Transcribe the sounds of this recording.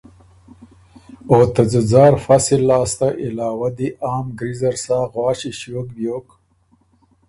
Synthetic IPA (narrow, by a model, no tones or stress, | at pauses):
ot̪azɪzɑːɾfasilːɑːst̪aʔɪlɑːwad̪iʔaːmɡɾizɐɾsaːɣwɑːɕiɕjoːk̚bjoːk